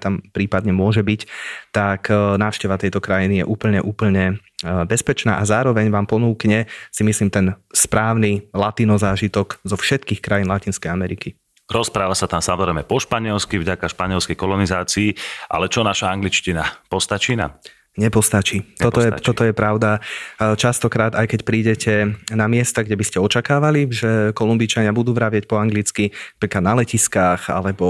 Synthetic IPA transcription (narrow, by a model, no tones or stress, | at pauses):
t̪ampɾiːpad̪ɲɛmʊɔʒɛbict̪aknaːʊʃcɛʋat̪ɛjt̪ɔkɾajinijɛʔuːpl̩ɲɛʔuːpl̩ɲɛ | bɛspɛt͡ʃnaːʔazaːɾɔʋɛɲʋaːmpɔnuːkɲɛsimisliːmt̪ɛnspɾaːʊnilat̪iːnɔzaːʒit̪ɔɡzɔfʃɛt̪kiːxkɾajiːnlacinskɛjamɛɾiki | ɾɔspɾaːʋasat̪amsamɔzɾɛjmɛpɔʃpaɲɪɛlskivɟakaʃpaɲɪɛlskɛjkɔlɔnizaːt͡siːʔa̰lɛt͡ʃɔnaʃaaŋɡlit͡ʃcinapɔst̪at͡ʃiːna̰m | ɲɛpɔst̪at͡ʃiːt̪ɔt̪ɔjɛt̪ɔt̪ɔjɛpɾaʊd̪at͡ʃast̪ɔkɾaːd̪ajkɛcpɾiːɟɛcʰɛnamɪɛst̪aɡɟɛbiscɛɔt͡ʃakaːʋaliʒɛkɔlumbit͡ʃaɲɪabud̪uːʋɾaʋɪac̚pɔaŋɡlit͡skiapɾiːkad̪nalɛciskaːxa̰lɛbɔ